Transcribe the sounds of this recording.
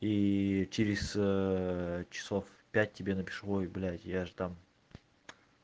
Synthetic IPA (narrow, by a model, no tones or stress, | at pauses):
it͡ʃɪɾʲɪz̥ | t͡ʃʰɪ̥sofpʲæt̚ʲtʲːɪbʲe̞nəpʲɪ̥ʂʁojblʲæt̪ʲjaʐɨ̥t̪am